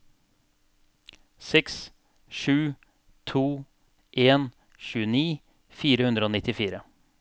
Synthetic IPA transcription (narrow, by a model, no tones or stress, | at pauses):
sɛks | ʃʉː | t̪ʰuː | ʔeːn | ʃʉːəniː | fiːɾəhʉnd̪ɾəoːnɪt̪ɪfiːɾə